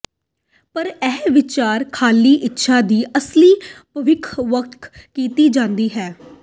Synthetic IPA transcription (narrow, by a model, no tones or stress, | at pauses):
pəɾɛːʋɪt͡ʃaːɾkʰaːliːʔɪtːʃʰaːd̪iːʔəsliːpəʋɪkʰʋək̚t̪ʰkiːt̪iːd͡ʒãːnd̪iːɦɛː